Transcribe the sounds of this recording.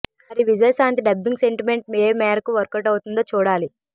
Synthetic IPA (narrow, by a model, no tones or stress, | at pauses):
ɐɾiʋid͡ʒɐjɐsaːnt̪iɖɐbːiŋɡse̞ɳʈime̞ɳʈ̚meːɾmɛːɾɐkuʋɐɾkɐʈɐwut̪und̪oːt͡ʃuːɽaːli